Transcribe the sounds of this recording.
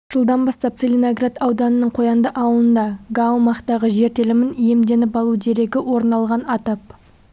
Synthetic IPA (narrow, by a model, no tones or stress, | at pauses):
ʒ̥əlˠd̪ɑnbɑst̪ɑp̚t̪selʲinoɡrat̪ɑwd̪ɑnənəɴqʰo̞jɑnd̪əʔɑwəlˠənd̪ɑɡamɑqt̪ɑʁəʒe̞ɾt̪e̞lɪmɪnije̞md̪e̞nɪpɑlˠuwd̪e̞ɾe̞ɡʲɪwo̞ɾnɑlˠʁɑnɑt̪ɑp̚